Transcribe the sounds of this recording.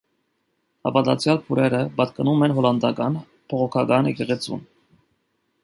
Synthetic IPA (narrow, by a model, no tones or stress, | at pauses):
ɑ̰vɑd̪ɑ̰t͡sʰjɑlpʰuɾɛɾəbɑt̪kɑnumɛnɦɔlɑnd̪ɑkɑn | pʰɔʁɔkʰɑkɑnjɛkɛʁɛt͡sʰṵn